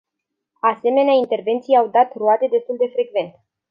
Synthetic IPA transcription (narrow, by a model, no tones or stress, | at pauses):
ase̞me̞neaint̪e̞rve̞nt̪sijawd̪at̪ruat̪e̞d̪e̞st̪uld̪e̞fɾe̞ɡve̞nt̪